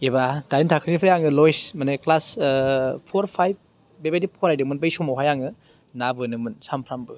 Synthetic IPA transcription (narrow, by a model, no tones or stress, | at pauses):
ebad̥ajintʰakʰɯnipʰɾejaŋɯlɔjsmanɯklas | pʰoɾpʰajb̚ | bebajdipʰoɾajdɯŋmɯnbajsɔmawɦajaŋɯ | nabɯnɯmɯnsampʰɾambɯ